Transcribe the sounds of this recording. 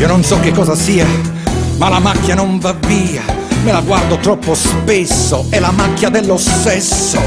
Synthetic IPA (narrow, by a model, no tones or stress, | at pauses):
iononsɔkːɪkːɔːzasiːamalamakːjanoɱvaviːa | mɪlaɡward̪ot̪ɾɔpːospesːoɛlamakːjad̪ɛlːost̪ɛsːo